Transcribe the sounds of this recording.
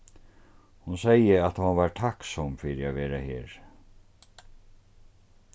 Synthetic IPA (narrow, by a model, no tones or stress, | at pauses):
hunsɛjəat̪hɔvaːɾt̪ʰaksɔmfiːɾɪavɛːɾahɛːɾ